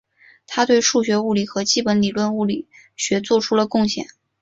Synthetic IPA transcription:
t̪ʰa˥t̪we˥˧ɪʂu˥˩ɕ̬ɥɛ˧˥u˥˩li˨˩xɤ˧˥t͡ɕi˥˩pə˧˥nli˨˩lwə˥˧nu˥˩li˨˩ | ɕɥɛ˧˥t͡swɔ˥˧ʈ͡ʂʰu˥lə˨kʊ˥˩ŋɕjɛ̰˥˩n

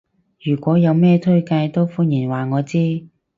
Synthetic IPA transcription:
jyː˨˩kʷɔː˨˥jɐ˨˧wmɛː˥t̪ʰɵ˥ɥka˧jt̪o˥wfuː˥njiː˨˩nwaː˨˩ŋɔː˨˧t͡siː˥

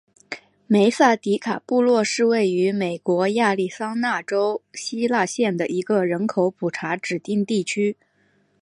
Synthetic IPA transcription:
me˧˥ɪsa˥˩t̪i˧˥kʰa˨˩pu˥˧lwɔ˥˧ʂɻ̩˥˧we˥˩ɪy˧˥me˨˩ɪkwɔ˧˥ja˥˧li˥˩sɑ˥ŋna˥˩ʈ͡ʂo˥ʊɕi˥la˥˧ɕjɛ˥˩nd̪ə˩ʔi˧˥ɡə˧ɻə˧˥nkʰo˧˥ʊpʰu˨˩ʈ͡ʂʰa˧˥ʈ͡ʂɻ̩˨˩t̪i˥˧ŋt̪i˥˩t͡ɕʰy˥

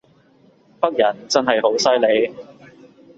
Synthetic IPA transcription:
pɐ˥k̚jɐ˨˩nt͡sɐ˥nɦɐ˨jho˨˥wsɐ˥jle˨˧j

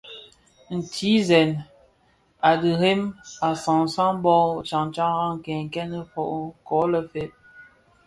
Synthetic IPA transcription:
n̩˨tʰi˨˦zɛ˨n | a˨di˨ɾe˦ma˨sa˨ŋ˨sa˦ŋ˦bɔ˦t͡ʃa˨ŋ˨t͡ʃa˦ŋɣa˦ŋ˨kɛ˨ŋ˨kɛ˦nə˦fɔ˨ʔkɔ˨˦lə˨fe˦p̚

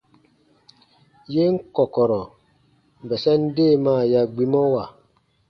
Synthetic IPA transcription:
je˦ŋ̩˦kɔ˨kɔ˨ɾɔ˨ | m˨bɛ˨sɛ˦n̩˦deː˦˨maː˦˨ja˨ɡ͡bi˦mɔ˦wa˨

